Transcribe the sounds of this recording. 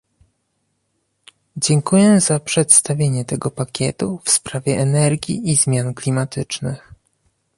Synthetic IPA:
d͡ʑɛŋkujɛzapʂɛt̪st̪avʲjeɲɛt̪ɛɡɔpakʲɛt̪ufspɾavʲjɛʔɛnɛɾɡʲḭʔizmʲjanklʲimat̪ɘt͡ʂnɘx

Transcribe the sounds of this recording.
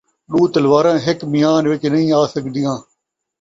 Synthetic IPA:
ɗuːt̪əlʋaːɾãːɦɪkmɪjaːnʋɪt͡ʃnəɦĩːaːsəkd̪ɪjãː

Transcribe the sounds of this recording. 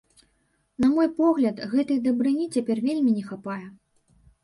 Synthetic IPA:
nɐmɔjpɔɣlʲɐt̪ɣɛt̪ɨjd̪ɐbɾɨnʲit͡sʲapʲɛrvʲelʲmʲinʲɛxapajɛ

